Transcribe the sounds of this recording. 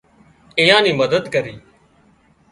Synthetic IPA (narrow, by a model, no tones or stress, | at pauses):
ɪjãːnĩːməd̪əd̪kəɾiː